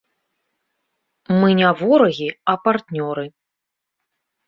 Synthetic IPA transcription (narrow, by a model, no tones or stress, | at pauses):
mɨnʲavɔɾɐɣʲiɐpart̪nʲɔɾɨ